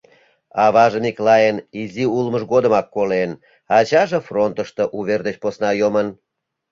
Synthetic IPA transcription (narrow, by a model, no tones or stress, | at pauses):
ɑβɑʒəmiklɑjəniziulməʃɣod̪əmɑkːolen | ɑt͡ɕɑʒĕfront̪əʃt̪oʔuβerd̪et͡ɕposnɑjomən